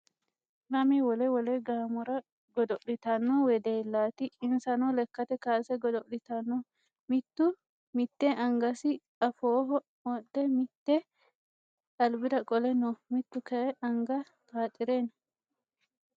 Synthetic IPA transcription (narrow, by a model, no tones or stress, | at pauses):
nɐmɛwɔlɛwɔlɛɡaːmɔɾɐ | ɡɔd̪ɔʔlɪt̪ɐnːɔwɛd̪eːlːaːt̪ɪɪnsɐnɔlɛkːɐt̪ɛkaːsɛɡɔd̪ɔʔlɪt̪ɐnːɔ | mɪt̪ːʊ | mɪt̪ːɛʔɐŋɡɐsɪ | ɐfoːɦɔ | mɔɗːɛmɪt̪ːɛ | t̪ɐlbɪd̪ɐkʼɔlɛnɔmɪt̪ːʊkɐɛʔɐŋɡɐ | t̪aːt̪ʼːɪɾeːnɐ